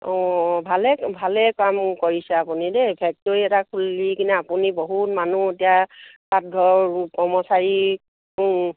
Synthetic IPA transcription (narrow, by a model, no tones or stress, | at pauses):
ɔ̃bʱalɛbʱalɛkamkoɹisɛapunidɛpʰɛk̚tɔɹiɛtakʰulːikinɛapuniboɦutmanuetijasat̚ɡʱɔɹkɔɹmɔsaɹi